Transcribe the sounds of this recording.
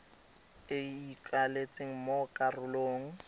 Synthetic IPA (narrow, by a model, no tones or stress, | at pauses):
ɪikʼalet͡sʼeŋ̩mokʼarʊloːŋ̩